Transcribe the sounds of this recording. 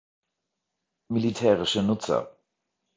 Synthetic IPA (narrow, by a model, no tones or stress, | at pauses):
militʰɛːʁɪʃənʊt͡sɐ̰